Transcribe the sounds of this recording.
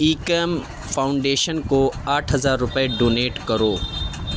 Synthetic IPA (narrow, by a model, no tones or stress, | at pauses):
iːkəm | fʰaːʊ̃ɳɖeːʃənkoaːʈʰɦɐzaːɾːʊpəeɖoːneːʈkɐɾoː